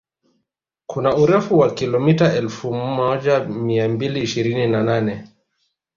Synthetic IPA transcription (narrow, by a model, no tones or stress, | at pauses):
kunauɾɛfuwakilɔmitaʔɛlfumɔʄamiambiliːʃiɾininananɛ